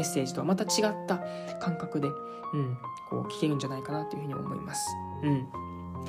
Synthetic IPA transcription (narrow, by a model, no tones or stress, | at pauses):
e̞sːe̞ːʑi̥t̪o̞βa̰mat̪at͡ɕiɡat̪ːa | kãŋkakɯ̟d̪e̞ | ɯ̟̃ɴkʰo̞̰ːkʲi̥kʲe̞ɾɯ̟̃ɲ̟d͡ʑanaikanat̪ːo̞jiɯ̟hɯ̟ḭao̰mo̞̰ḭmasɨ̥ | ɯ̟̃ɴ